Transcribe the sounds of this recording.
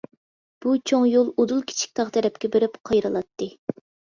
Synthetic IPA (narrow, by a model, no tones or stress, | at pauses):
b̥ut͡ʃʰoŋjolˠod̪ulˠkʲʰi̥t͡ʃʰi̥k̚ʲt̪ʰɑʁt̪ʰɛɾɛp̚kʲɛbeɾɪpqʰɑjɾɨlˠɑt̪ʰːɨ